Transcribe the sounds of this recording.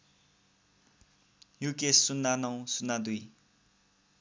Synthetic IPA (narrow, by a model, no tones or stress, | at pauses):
jukessunːanʌw̃sunːad̪uj